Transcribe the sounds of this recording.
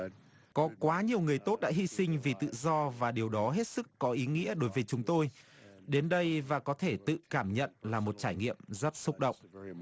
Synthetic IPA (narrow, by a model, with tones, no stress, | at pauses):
kɔ˨˦kwaː˨˦ɲi˨˩əwŋɨ˨˩əjt̪o˦˥t̚ɗa̰ː˧˥hi˧sï˧ŋ̟vi˨˩t̪ɨ̰˧˨zɔ˧vaː˨˩ɗi˨˩əwɗɔ˨˦ɦe˦˥t̚sɨ˦˥kːɔ˨˦ʔi˨˦ŋḭ˧˥əɗo˨˦jvəː˨˦jt͡ɕʊ˨˦ŋ͡mt̪o˧jɗe˨˦nɗə˧jvaː˨˩kɔ˨˦t̪ʰe˧˩t̪ɨ̰˧˨kaː˧˩mɲə̰˧˨nlaː˨˩mo˨˩t̚t͡ɕaː˧˩jŋḭ˧˨əmzə˦˥t̚sʊ˦˥k͡p̚ɗə̰˧˨wŋ͡mʔ